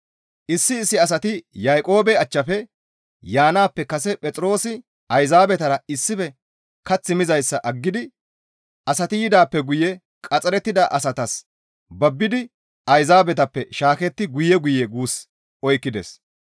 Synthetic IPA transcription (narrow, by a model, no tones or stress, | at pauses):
ʔɪsːɪːsːɪɐs̬ɐt̪ɪjajkʼo̞ːbɛɐt͡ʃːɐfɛ | jaːnaːpːɛkɐsɛpʼɛt͡sʼɪɾo̞ːsɪ | ɐjzaːbɛt̪ɐɾɐɪsːɪfɛ | kɐt͡sːɪmɪzɐjsːɐʔɐɡːɪd̪ɪ | ʔɐsɐt̪ɪjɪd̪aːpːɛɡʊjɛ | kʼɐt͡sʼɛɾɛt̪ːɪd̪ɐʔɐsɐt̪ɐs | bɐbːɪd̪ɪ | ɐjzaːbɛt̪ɐpːɛʃaːkɛt̪ːɪɡʊjɛɡʊjɛɡuːs | ɔjkːɪd̪ɛs